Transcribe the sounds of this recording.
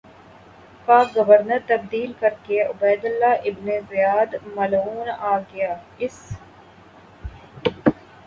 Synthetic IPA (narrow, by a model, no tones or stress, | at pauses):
paːk̚ɡɐʋəɾnəɾt̪ɐbd̪iːlkɐɾkeʊbɛːd̪ʊlːaʔɪbnezɪjaːd̪mɐluːnaːɡɪjaː | ɪs